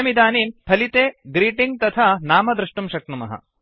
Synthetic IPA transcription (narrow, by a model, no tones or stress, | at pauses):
ɐmid̪aːniːmpʰɐlit̪eːɡɾiːʈiŋɡ̚t̪ɐt̪ʰanaːmɐd̪ɾuʂʈumʃɐk̚nɐmɐ̰ɦɐ̰